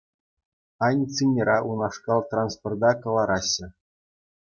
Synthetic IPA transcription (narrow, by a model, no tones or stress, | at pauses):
ɑnʲt͡sinʲiɾɑʔunɑʂkɑlˠt̪ranspord̪ɑkɤ̆lˠɑɾɑɕːɘ̆